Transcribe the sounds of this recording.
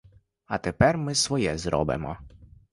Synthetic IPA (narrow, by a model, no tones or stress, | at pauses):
ɐt̪epɛrmɪsʋɔjɛzɾɔ̰bɪ̰mɔ